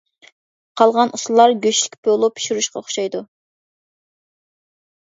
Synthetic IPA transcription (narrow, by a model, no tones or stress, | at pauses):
qʰɑlˠʁɑnʔuslˠɑɾɡʲøʃi̥kʲpʰølˠupʰi̥ʃiɾuʃqʰɑʊχʃɑjd̪u